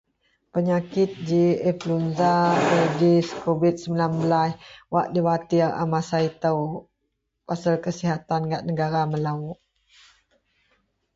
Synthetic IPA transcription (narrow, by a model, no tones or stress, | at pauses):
pəɲakɪt̪̚d͡ʒiɛplunzabədiskovit̪̚səmbilanbəlaswaʔdiwat̪ira̰masait̪əw | pasəlkəsiɦat̪anɡaʔ̚nəɡaɾaməlaʔ